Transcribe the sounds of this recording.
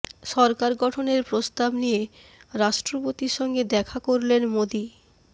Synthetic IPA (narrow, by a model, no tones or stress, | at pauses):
ʃɔɾkaɾɡɔʈʰoneɾpɾost̪abnije | ɾaʃʈɾopot̪iɾʃɔŋɡed̪ɛkʰakoɾlenmod̪i